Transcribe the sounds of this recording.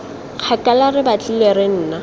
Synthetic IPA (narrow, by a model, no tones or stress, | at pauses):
k͡xʰakʼalarɪbat͡ɬʼɪleɾen̩ːna